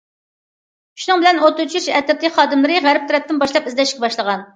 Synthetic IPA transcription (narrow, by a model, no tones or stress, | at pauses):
ʃunɨŋbɪlɛnot̪ːut͡ʃʰiɾʃɛt̪ʰɪt̪ɪχɑːd̪ɨmlˠɨɾɨʁæɾɪp̚t̪ʰuɾɛp̚t̪ːɪnbɑʃlˠɑpizlɛʃkʲɛbɑʃlˠəʁɑn